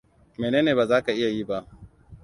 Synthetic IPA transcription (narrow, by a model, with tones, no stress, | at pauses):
meː˨neː˦neː˨baː˨zaː˦ka˨ʔɪ˦ja˨ji˦ba˦ʔ